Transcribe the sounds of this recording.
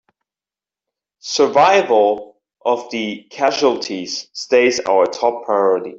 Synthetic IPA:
sə˞vaɪvəlˠ | ʔəvðɨkʰæʒuəl̩ˠtʰiz̥steɪza̰ʊətʰɔpʰɹ̥aɪɔɹəɾḭ

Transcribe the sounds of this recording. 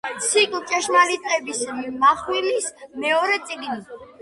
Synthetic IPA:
t̪sʰikʼlt͡ʃʼɛʃmalit̪ʼqʼɛbismaχwilismɛɔɾɛt̪sʼiɡni

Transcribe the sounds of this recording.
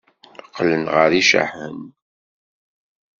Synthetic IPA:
əqːlənʁəɾiʃa̰ħən

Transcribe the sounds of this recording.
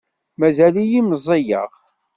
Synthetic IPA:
mæzælijimzˤejə̰ʁ

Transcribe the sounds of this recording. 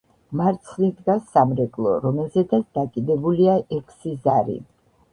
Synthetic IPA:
maɾt̪sʰlid̪ɡasːamɾɛkʼlˠɔ̰ɾɔmɛlˠzɛd̪at̪ʰd̪akʼid̪ɛbuliaʔɛkʰsizaɾḭ

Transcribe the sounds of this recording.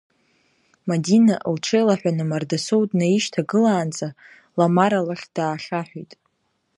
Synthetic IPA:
madinaʔlʈ͡ʂʰejlaħʷᶣanɨmardasowdʼnaiʃtʰaɡɨlaːnt͡sʼa | lamaɾalaχʲd̥aːχʲaħʷᶣijtʼ

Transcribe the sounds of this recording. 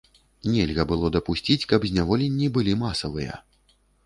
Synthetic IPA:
nʲɛlʲɣɐbɨlˠɔd̪ɐpusʲt͡sʲit͡sʲkɐbzʲnʲavɔlʲenʲːibɨlʲimasɐvɨjɐ̰

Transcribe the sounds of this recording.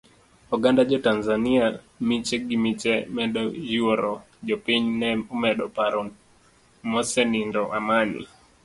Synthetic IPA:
uɡandad͡ʒɔtanzania | mit͡ʃɛɡimit͡ʃɛmɛɗɔd͡ʒiɔɾɔ | d͡ʒɔpiɲnɛumɛɗɔpaɾɔ | mɔsɛnindɔʔamanḭ

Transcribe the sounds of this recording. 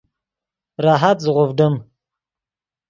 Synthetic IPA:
ɾɑːɦat̪zʁovɖəm

